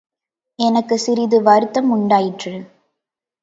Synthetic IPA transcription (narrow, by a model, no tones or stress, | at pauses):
ɛnɐkːɯsɪɾɪðɯʋɐɾɯt̪ːɐmʊɳɖaːjɪʈrɯ